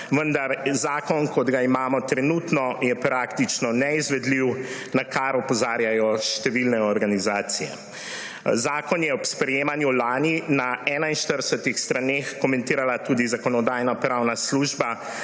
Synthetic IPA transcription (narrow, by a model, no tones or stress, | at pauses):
ʋənd̪aɾzaːkɔnkɔd̪ɡaimaːmɔt̪ɾɛnut̪nɔjɛpɾakt̪it͡ʃnɔnɛizʋɛd̪liw | nakaɾɔpɔzaːɾjajɔʃt̪ɛʋilnɛɔɾɡanizaːt̪sijɛ̰ | zaːkɔnjɛɔpspɾɛjeːmanjulaːninaɛːnainʃt̪əɾəsɛt̪ixst̪ɾanexkɔmɛ̃nt̪iːɾalat̪uːd̪izakɔnɔd̪ajnapɾawnasluːʒba